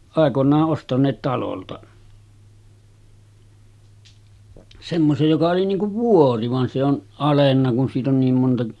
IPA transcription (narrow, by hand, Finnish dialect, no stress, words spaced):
ɑˑekonˑɑːʔ ʔostɑnˑeːt tɑloltɑ semːosej jokɑ oli niːŋ kuʋ ʋuori ʋɑn se on ɑlenːɑ kun siːt on niːm montɑ